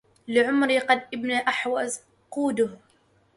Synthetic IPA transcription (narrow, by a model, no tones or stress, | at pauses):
lɪʕʊmɾiqɑd̪ʔɪbniʔaħwaz | quːd̪ʊh